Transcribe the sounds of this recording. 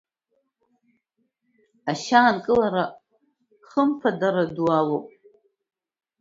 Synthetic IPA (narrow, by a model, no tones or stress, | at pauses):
aʃaːnkʼɨlaɾa | χəmpʰadaɾadwalopʼ